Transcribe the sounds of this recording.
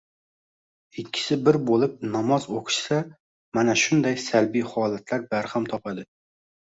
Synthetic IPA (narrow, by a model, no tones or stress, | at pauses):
ɪkʲʰːɪ̥sɪbɪɾbolˠɪp̚nɒmɒzoqʰɨ̥ʃsa | manaʃʊnd̪ajsalbijχɒːlˠat̪ʰlaɾbæɾhamt̪ʰɒpad̪ɪ